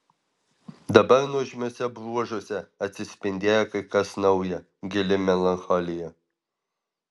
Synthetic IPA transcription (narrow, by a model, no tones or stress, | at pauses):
d̪ɐbɐɾnuʒʲmʲoːsʲɛbɾuɔʒoːsʲɛɐt̪ʲsʲɪsʲpʲɪnʲd̪ʲeːjɛkɐɪkɐsnɐʊjɛ | ɡʲɪlʲɪmʲɛlˠɐnxɔlʲɪjɛ